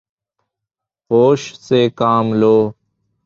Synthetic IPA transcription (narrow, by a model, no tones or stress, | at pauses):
hoːʃseːkaːmloː